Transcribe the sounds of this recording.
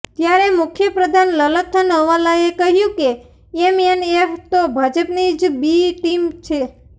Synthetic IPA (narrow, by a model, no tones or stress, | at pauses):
t̪jaɾemʊkʰjəpɾəd̪ʱanlələt̪ʰːənɦəʋalaekəɦjũke | emeneft̪obʱad͡ʒəpnid͡ʒbiʈimt͡ʃʰe